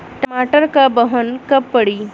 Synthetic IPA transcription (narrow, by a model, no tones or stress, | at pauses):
ʈəmaʈəɾkabəɦənkəpːəɽiː